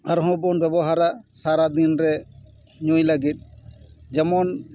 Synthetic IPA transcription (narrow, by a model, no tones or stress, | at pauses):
aɾɦɔ̃bɔnbɛbɔɦaɾasaɾad̪inɾɛ | ɲujləɡit̪̚ˀd͡ʒɔmɔn